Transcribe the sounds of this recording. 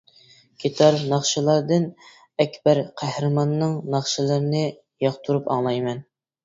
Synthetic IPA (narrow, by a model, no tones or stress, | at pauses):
kʲʰet̪ʰɑɾnɑχʃɨlˠɑɾd̪ɨn | ɛkʲbæɾqʰæhɾɨmɑnːɨŋnɑχʃɨlˠɨɾɨnɨ | jɑχt̪ʰuɾupɑ̰ŋlˠɑjmɛn